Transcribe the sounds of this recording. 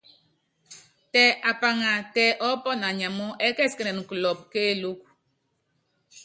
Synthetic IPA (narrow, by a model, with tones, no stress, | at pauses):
tɛ˨ʔa˨pa˨ŋa˨tɛ˨ʔɔ˨˦pɔ˦na˨ɲa˨mɔ˦ʔɛ˦kɛ˦˨ske˦nɛ˨nŋ̩˨klɔ˨p̚keː˦˨˦lo˦k